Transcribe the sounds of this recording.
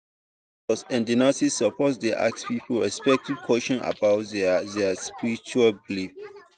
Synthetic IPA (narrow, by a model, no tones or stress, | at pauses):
ɔsɛ̃ndinasisːɔpʰɔtdeʔa̰k̚spipʰəlɹɛspɛk̚tiv̥kʰwɔʃɔ̃na̰baʊtððɛspiɹit͡ʃualbilif